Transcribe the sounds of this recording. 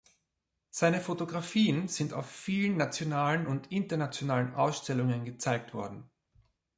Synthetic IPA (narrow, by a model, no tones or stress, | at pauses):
z̥aɪnəfotoɡʁafiːənz̥ɪnta̰ʊfːiːlənːat͡sjonaːlənʊntɪntɐnat͡sjonaːlənʔaʊsʃtɛlʊŋənɡət͡saɪk̚tv̥ɔɐdn̩